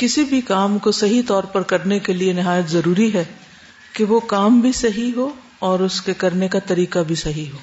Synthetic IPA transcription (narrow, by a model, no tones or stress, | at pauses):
kɪsibʱikaːmkosɐɦit̪ɔːɾpɐɾkɐɾnekelienɪɦaːjət̪zɐɾuːɾiɦɛː | keʋokaːmbʱisɐɦiɦoː | ɔːɾʊskekɐɾnekat̪ɐɾiːqabʱisɐɦiɦoː